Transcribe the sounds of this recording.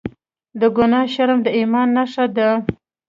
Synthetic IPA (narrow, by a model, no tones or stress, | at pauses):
d̪əɡʊnɑʃaɾmd̪əimɑnːaʂad̪ə